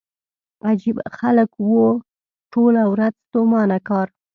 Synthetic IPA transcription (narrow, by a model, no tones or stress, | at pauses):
ad͡ʒibxaləkwo | ʈolawɾad͡zt̪omɑnakɑɾ